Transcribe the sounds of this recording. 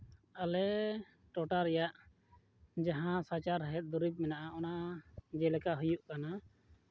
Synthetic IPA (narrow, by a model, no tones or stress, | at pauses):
alɛ | ʈɔʈaɾɛjaʔ | d͡ʒaɦãsat͡ʃaɾəɦɛt̪̚ˀd̪uɾip̚mɛnaʔaʔɔnad͡ʒɛlɛkaɦujuʔkana